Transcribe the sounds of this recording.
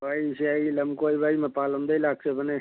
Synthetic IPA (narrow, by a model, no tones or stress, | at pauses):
baiseailəmkoibaimepaːləmd̪əilaːk̚sebəne